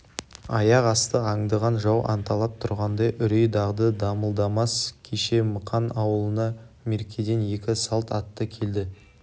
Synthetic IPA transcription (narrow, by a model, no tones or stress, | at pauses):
ɑjɑqɑst̪əɑŋd̪əʁɑnʒɑwʔɑ̰nt̪ɑlˠɑp̚t̪ʰʊɾʁɑnd̪ɑjʔʏɾejd̪ɑʁd̪əd̪ɑməlˠd̪ɑmɑskʲʰeʃe̞məqʰɑnɑwəlˠənɑ | me̞ɾkʲʰed̪e̞nje̞kʲɪsɑlˠt̪ɑt̪ːəkʲʰe̞ld̪ɪ